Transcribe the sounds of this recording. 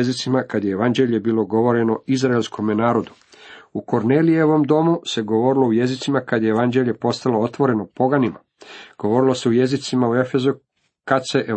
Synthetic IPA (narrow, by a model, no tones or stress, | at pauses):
zit̪simakad̪jeeʋand͡ʒe̞ʎebilo̞ɡo̞ʋo̞ɾe̞no̞izɾaelskʰo̞menaːɾo̞d̪u | uko̞ɾneːlijeoʋo̞md̪o̞muse̞ɡo̞ʋo̞ɾilo̞uje̞zit̪simakad̪jeeʋand͡ʒe̞ʎe̞po̞st̪alo̞o̞t̪ʋo̞ɾe̞no̞po̞ɡanima̰ | ɡ̥o̞ʋo̞ɾilˠo̞se̞ujezit̪simauefe̞zu | kat̪se̞ʔe